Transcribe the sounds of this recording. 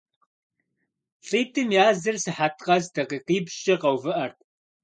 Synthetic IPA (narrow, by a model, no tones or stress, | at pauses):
ɬiːtʰɨmjaːzɨrsɨħatʰqɐzdʰɐqiːqiːbʃt͡ʃʼɐqɐwvɨʔɐrt̚ʼ